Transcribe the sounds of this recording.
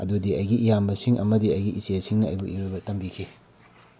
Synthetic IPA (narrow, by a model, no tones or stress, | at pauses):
ɐ̰dudiɐjɡiʔːjambɐsiŋʔɐ̰mɐdiɐjɡiʔiseɐsiŋnɐɐ̰jbuʔiɾojbɐtɐmbikʰi